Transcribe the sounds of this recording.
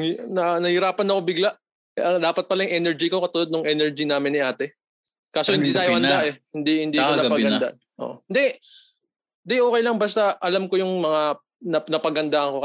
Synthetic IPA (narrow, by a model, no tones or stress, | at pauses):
nɐnɐhɪɾaːpɐnɐkobɪɡlaʔ | ɐd̪aːpɐt̪̚pɐlɐjʊŋʔɛnɛɹd͡ʒikokɐt̪ʊlod̪nʊŋʔɛnɛɹd͡ʒinaːmɪnːɪʔaːt̪ɛ | kaːsohɪnd̪iːt̪aːjohɐnd̪aʔɛhɪnd̪ihɪnd̪iːkonɐpɐɡɐd̪a̰ | ʔo̰ʔhɪnd̪ɛ | ɪnd̪ɛʔoːkɐjlɐŋbɐst̪aʔɐlamko̞jʊŋmɐŋa | nɐnɐpɐɡɐnd̪aʔɐŋko̞